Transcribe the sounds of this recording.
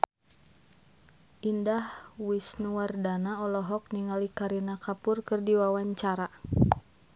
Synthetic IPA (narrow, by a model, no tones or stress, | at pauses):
ʔindahwisnuwardanaɔlɔɦɔk̚niŋalikaɾinakapʊrkɨrdiwawaɲt͡ʃaɾa